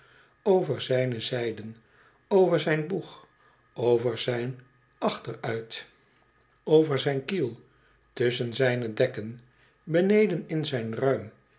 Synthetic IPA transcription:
owvəɹzɛjnəzɛjdən | owvəɹzɛjnbuχ | owvəɹz̥ɛjn | ʔɑχtəɹœɥt | owvəɹzɛjnkilˠ | tɵsənzɛjnədɛkən | bənejdənɪnzɛjnrœɥm

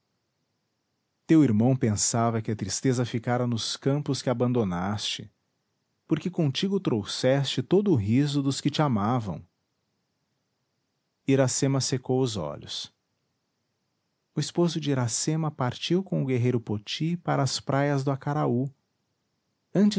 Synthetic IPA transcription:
t̪ewiɾmɐ̃w̃pẽsavɐkɪɐt̪ɾist̪ezɐfikaɾɐnʊskɐ̃mpʊskɪabɐ̃nd̪onast͡ʃɪ | poɾkɪkõt͡ʃiɡʊt̪ɾowsɛst͡ʃɪt̪od̪ʊːɦizʊd̪ʊskɪt͡ʃɪamavɐ̰̃w̃ | iɾasẽmɐsekowʊzɔ̰ʎʊs | ʊispozʊd͡ʒɪiɾasẽmɐpaɾt͡ʃiwkõw̃ʊɡeɦejɾʊpot͡ʃipaɾɐːspɾʔajɐzd̪ʊakaɾau | ɐ̃nt͡ʃɪ

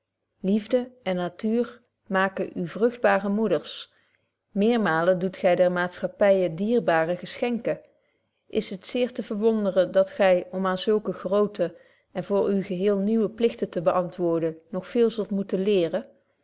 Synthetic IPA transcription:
livdəɛnːatyːr | maːkəʔyvrɵχd̚baːrəmudəɹs | mɪːɹmaːlədutχɛjdɛɹmaːtsχɑpɛjədiːrbaːrəɣəsχɛŋkə | ʔɪsɦətsɪːɹtəvəɹʋɔndərəndɑtχɛjɔmaːnzɵlˠkəχrowtə | ɛnvʊːɹywɣəɦɪːlˠniwəplɪxtətəbəʔɑntʋʊːɹdənɔχfɪːlˠzɵlˠtmutənlɪːrə

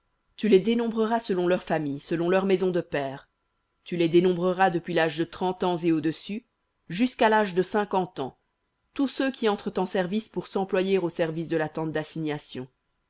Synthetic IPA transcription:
t̪yled̪enɔ̃bʁəʁasəlɔ̃lœʁfamijsəlɔ̃lœʁmezɔ̃d̪əpɛːʁ | t̪yled̪enɔ̃bʁəʁad̪əpɥilaʒd̪ət̪χɑ̃t̪ɑ̃zeod̪əsy | ʒyskalaʒd̪əsɛ̃kɑ̃t̪ɑ̰̃ | t̪usøkʲiɑ̃t̪χət̪ɑ̃sɛʁvispuʁsɑ̃plwajeʁosɛʁvis̬d̪əlat̪ɑ̃t̪̚d̪asiɲjasjɔ̰̃

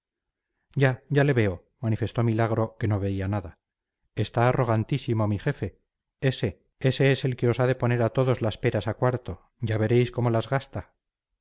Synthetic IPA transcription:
ɟ͡ʝaɟ͡ʝale̞βe̞o̞ | manife̞st̪o̞milaɣ̞ɾo̞ke̞no̞βe̞ianaða | est̪aːro̞ɣ̞ant̪isimo̞mixe̞fe̞ | e̞se̞ | e̞se̞ese̞lkeo̞saðe̞po̞ne̞ɾat̪o̞ðo̞zlaspe̞ɾasakwaɾt̪o̞ | ɟ͡ʝaβe̞ɾe̞jsko̞mo̞lazɣast̪a

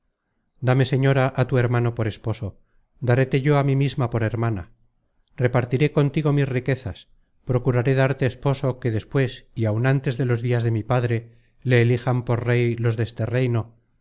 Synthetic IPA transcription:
d̪ame̞se̞ɲo̞ɾaʔat̪ue̞ɾmano̞po̞ɾe̞spo̞so̞ | d̪aɾe̞t̪eʝo̞amimizmapo̞ɾe̞ɾmana̰ | re̞paɾt̪iɾe̞ko̞nt̪iɣo̞misrike̞θas | pɾo̞kuɾaɾe̞ðaɾt̪e̞ːspo̞so̞ke̞ðe̞spwe̞siawnant̪e̞zðe̞lo̞zðiazðe̞mipaðɾe̞ | le̞ːlixampo̞ɾre̞jlo̞zðest̪e̞re̞jno̞

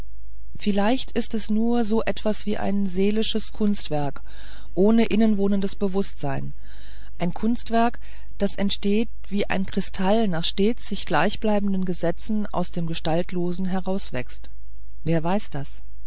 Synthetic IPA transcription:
fɪlaɪçtɪstɛsnuːɐzoːʔɛtv̥asv̥iːʔa̰ɪnzeːlɪʃəskʰʊnstv̥ɛɐk | ʔoːnəʔɪnənvoːnəndəsb̥əvʊstz̥aɪn | ʔaɪnkʰʊnstv̥ɛɐk | d̥asɛntʃteːt̚ | v̥iːʔa̰ɪnkʁ̥ɪstʰalnaːχʃteːt͡sz̥ɪçɡ̥laɪçb̥laɪbn̩dən̩ɡəzɛt͡sn̩ʔa̰ʊsd̥eːmɡəʃtaltloːzn̩ɦɛʁaʊsv̥ɛ̰kst | veːɐvaɪsd̥as

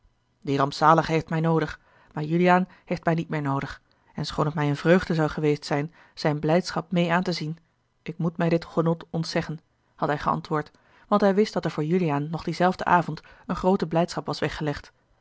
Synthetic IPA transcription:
dirɑmpsaːləχɦejftmɛjnowdəχ | maːɹjyliaːn | hejftmɛjnitmɪːɹnowdəχ | ɛnsχownətmɛjənvrøɥχdəzɑwχəʋejstsɛjn | z̥ɛjnblɛjtsχɑp̚mejaːntəzin | ʔɪkmutmɛjdɪtχənɔtɔntsɛχən | hɑtɦɛjχəɑ̰ntʋʊːɹt | ʋɑntɦɛjʋɪstd̥ɑtɛɹvʊːɹjyliaːnːɔχdizɛlˠvdəʔaːvɔnt | ənχrowtəblɛjtsχɑpʋɑsʋɛχəlɛχt

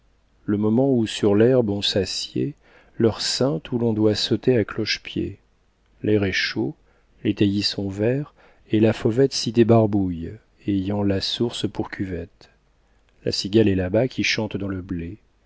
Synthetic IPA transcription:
ləmɔmɑ̃usyʁlɛʁbɔ̃sasjḛ | lœʁsɛ̃t̪ʰulɔ̃d̪wasot̪eaklɔʃpjḛ | lɛʁɛʃo | let̪ajisɔ̃vɛʁ | elafɔvɛt̪sid̪ebaʁbuj | ejɑ̃lasuʁspuʁkʲyvɛt̪ | la̰siɡʲalɛlabakʲʰiʃɑ̃t̪d̪ɑ̃ləble

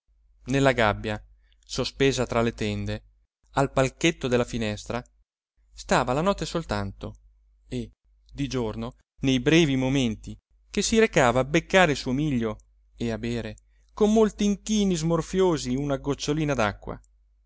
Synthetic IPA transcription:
nelːaɡabːja | sospeːzat̪ɾalet̪ɛnd̪e | alpalket̪ːod̪elːafinɛst̪ɾa | st̪aːvalanɔt̪ːesolt̪ant̪o | e | d̪id͡ʒorno | nejbɾɛːvimoment̪i | kesːiɾekaːvaːbekːaːɾelsuomiʎːo | eabeːɾe | komːolt̪iːŋkiːnizmorfjoːziunaɡot͡ʃːoliːnad̪akːwa̰

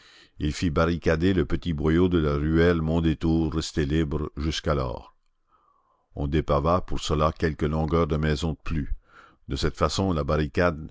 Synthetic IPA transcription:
ilfibaʁikad̪eləpət̪ibʁɔjod̪əlaʁyɛlmɔ̃d̪et̪uːʁːɛst̪elibʁəʒyskalɔ̰ːʁ | ɔ̰̃d̪epavapuʁsəlakʲɛlkəlɔ̃ɡœʁd̪əmɛzɔ̃d̪əply | d̪əsɛt̪fasɔ̃labaʁikad̪

